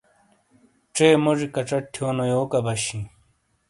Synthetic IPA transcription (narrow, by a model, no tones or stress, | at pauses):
ʈ͡ʂeːmoʐikɐʈ͡ʂɐʈʰjoːnojoːkɐbɐɕĩ